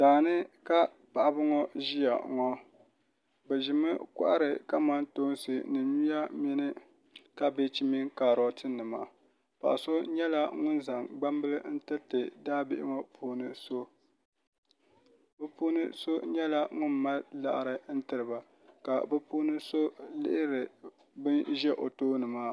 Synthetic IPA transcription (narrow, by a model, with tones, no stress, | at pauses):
daː˨nɨ˦ka˦ | pa˨ʔa˨bɨ˦ŋɔ˦ʒi˦ja̰˨ŋɔ˦ | bɛ˨ʒɪ˨mɨ˦ka̰˦ʔa˦ɾɨ˨ka˦ma˦nto˦nsɨ˨nɨ˨ɲi˦ja˦mi˦nɨ˦ | ka˦be˦t͡ʃi˦mi˦ŋkaː˨ɾɔ˨tɨ˦nɨ˨ma̰ː˨ | pa̰˨ʔa˨so˦ɲɛ˦la˦ŋʊ˦nza˨ŋɡ͡ba˦mbɨ˦lɨ˦n̩˦tɨ˦tɨ˨daː˦bɪ˦ʔɪ˦ma˦pʰuː˦nɨ˨so˦ | bɛ˦puː˦nɨ̰˦so˦ɲɛ˦la˦ŋʊ˦nma˦lla̰˨ʔɾɨ˨n̩˦tɨ˨ɾɨ˨ba˨ | ka˨bɛ˦puː˦nɨ˦so˦lɪ̰˦ʔɪ˦ɾɨ˨ | bɨ˦nʒɛ˦ʔo˨toː˦nɨ˨maː˦